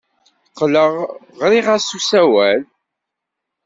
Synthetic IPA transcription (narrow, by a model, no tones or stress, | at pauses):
qːləʁʁɾiʁasusæwæl